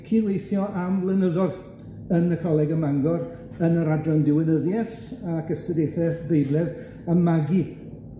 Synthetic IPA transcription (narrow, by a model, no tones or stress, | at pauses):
kʰiːlwejθjɔʔamlˠənəðɔð | ənəkʰɔlˠɛɡəmaŋɡɔɾ | ənəɾadrɔndɪwɪnəðjɛθ | akəstədejθɛθbejblˠɛð | amːaɡi